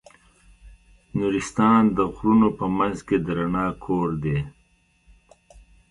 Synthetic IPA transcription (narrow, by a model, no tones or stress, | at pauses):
nuːɾist̪ɑːnd̪əɣɾunopəmanzked̪ɾanɑːkʰoːɾd̪eː